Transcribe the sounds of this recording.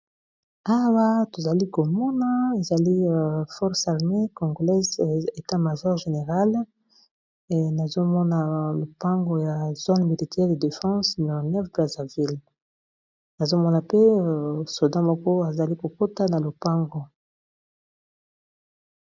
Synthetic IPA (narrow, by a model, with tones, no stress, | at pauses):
a˦wa˦to˨za˨li˦ko˨mɔ˦na˦e˨za˨li˦˨fɔ˦ʁsa˨ʁme˦ko˨ŋɡo˨lɛ˦ze˨ta˦ma˨ʒɔ˦ʁʒe˨ne˨ʁa˦l | na˨zo˦mɔ˦na˨lo˨pa˦ŋɡo˦ja˨zo˦nmi˨li˨tʰɛ˦ʁde˨de˨fɑ̃˦sna˨nɛ˦fbʁa˨za˨vi˦l | na˨zo˦mɔ˦na˨pe˦so˨dã˦mɔ˦kɔ˦a˨za˨li˦ko˨ko˦ta˦na˨lo˨pa˦ŋɡo˨